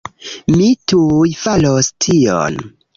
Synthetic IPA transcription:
mitujfalostʰio̰n

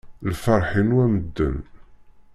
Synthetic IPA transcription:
lfəɾˤħinwæməd̪ːə̰n

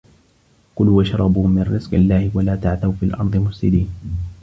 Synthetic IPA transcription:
kʊlwaʃɑɾˤɑbuːmɪnɾɪz̥qɪ̰lːaːhɪwalaːt̪aʕθawfiːlʔɑɾd̪ˤɨmʊfsɪd̪iːn

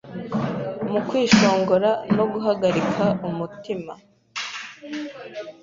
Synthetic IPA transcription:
mukwiːʃo̞ːŋɡo̞ɾano̞ɡuɦaɡaɾikʰaumutima

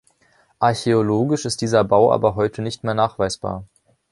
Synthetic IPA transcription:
ʔaɐçeoloːɡɪʃɪst̚d̥iːzɐbaʊʔa̰ːbɐɦɔʏtʰənɪçtmeːɐnaːχv̥aɪsb̥a̰ːɐ

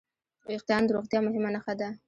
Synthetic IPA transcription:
ɪq̚t̪ɑnd̪əɾoɣt̪jɑmʊɦɪmanaxad̪a

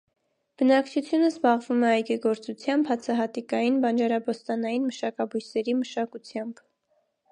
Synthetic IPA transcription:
b̥ənɑkt͡ʃʰut͡sʰjunəzbɑʁvumɛɑjɡiɡɔɾt͡sut͡sʰjɑmbhɑt͡sʰɑɦɑt̪ikɑjinbɑnd͡ʒɑɾɑbɔst̪ɑnɑjinməʃɑkɑbujsɛɾiməʃɑkut͡sʰjɑmb̥

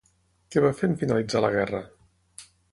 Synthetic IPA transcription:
kɛβafemfinəlid͡zalə̰ɣɛrə

